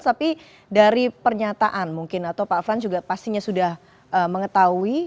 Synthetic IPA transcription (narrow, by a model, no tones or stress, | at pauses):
t̪api | daɾipərɲat̪aʔanmuŋkɪnat̪awpafɾand͡ʒuɡapast̪iɲasudah | ʔəməŋət̪aui